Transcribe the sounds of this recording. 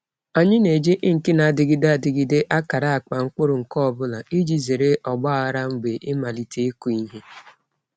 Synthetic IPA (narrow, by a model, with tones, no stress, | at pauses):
a˨ɲɪ˦ne˨d͡ʒe˦ʔŋ̩˨kɪ˦na˨dɪ˨ɡɪ˦da˦˨dɪ˨ɡɪ˦de˦ʔa˦ka˨ɾa˦a˨k͡pa˨ŋ̩˦k͡pʊ˦ɾʊ˨ŋ̩˨kɔ˦˨bʊ˦la˨i˦d͡ʒi˨ze˨ɾe˦ʔɔ˨ɡ͡bɔ˦a˦ɾa˦ŋ͡m̩˦ɡ͡be˨ʔɪ˦ma˨li˨tʰe˦ku˨˦i˦ɦe˦